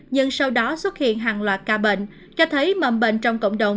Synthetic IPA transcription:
ɲɨ˧ŋsa˧wɗɔ˨˦swə˦˥t̚hḭ˧˨ənɦaː˨˩ŋlwaː˨˩t̚kaː˧ɓḛ˧˨ŋ̟ | t͡ɕɔ˧t̪ʰə˨˦jmə̰˧˩mɓḛ˧˨ŋt͡ɕɔ˧wŋ͡mkə̰˧˨wŋ͡mɗə˨˩wŋ͡m

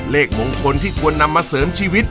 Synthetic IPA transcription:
leː˥˩k̚mo˧ŋkʰo˧nt̪ʰiː˥˩kʰu˧ənːa˧mːaː˧sɤː˩˦mt͡ɕʰiː˧wi˦˥t̪̚

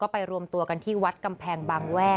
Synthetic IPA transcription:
kɔː˥˩pa˧jɾu˧əmt̪u˧ɐka˧nt̪ʰiː˥˩wa˦˥t̪̚ka˧mpʰɛː˧ŋbaː˧ŋwɛː˥˩

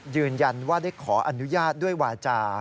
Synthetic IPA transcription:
jɯː˧nja˧nwaː˥˩daː˥˩jkʰɔː˩˦ʔa˧nu˦˥jaː˥˩t̪̚du˥˩əjwaː˧t͡ɕaː˧

